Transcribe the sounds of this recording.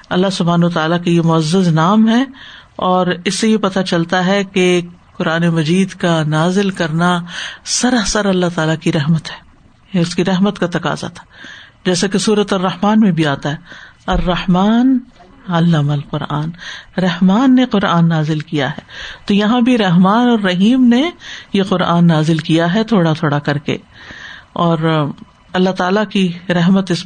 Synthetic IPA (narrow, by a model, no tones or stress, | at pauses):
ɐlːaɦsʊbʱaːnɐət̪aːlakajemʊɐzːəznaːmɦɛɔːɾɪsːejepɐt̪at͡ʃɐlt̪aɦɛke | qʊɾaːnemɐd͡ʒiːd̪kanaːzɪlkɐɾnasɐɾɐɦsɐɾɐlːaɦt̪aːlakiɾɛɦmət̪ɦɛ̥ː | ʊskiɾɛɦmət̪kat̪ɐqa̰ːza̰t̪ʰḁd͡ʒɛːsakesuːɾət̪ɐrːɐhmaːnmẽbʱiaːt̪aɦɛ | ɐrːɐhmaːn | ɐlːamɐlqʊɾa̰ːnɾɐɦmaːnːeqʊɾaːnːaːzɪlkija̰ɦɛːt̪ojɐɦãbʱiɾɐɦmaːnɔːɾːɐɦiːmnejeqʊɾaːnːaːzɪlkijaɦɛt̪ʰoːɽat̪ʰoːɽakɐɾkḛ | ɔːɾ | ɐlːat̪aːlakiɾɛɦmət̪ɪs